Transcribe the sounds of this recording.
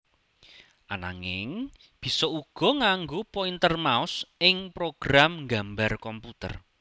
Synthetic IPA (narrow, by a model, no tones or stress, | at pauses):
ʔana̰ŋɪ̰ŋ | b̥i̤sɔuɡ̥ɔ̤ŋaŋɡopoint̪ərmaʊsɪŋpɾoɡ̥ɾamŋɡambarkɔmput̪ə̰r